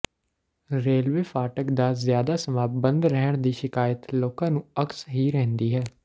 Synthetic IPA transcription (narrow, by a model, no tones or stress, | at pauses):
ɾeːlʋeːfʰaːʈəkd̪aːzjaːd̪aːsəmaːbənd̪ɾɛɦəɳ̃d̪iːʃɪkaːjət̪loːkãːnũːəksɦiːɾɛɦnd̪iːɦɛː